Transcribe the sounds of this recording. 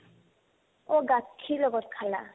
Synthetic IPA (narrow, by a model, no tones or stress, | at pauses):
oɡakʰːilɔɡɔt̪̚kʰala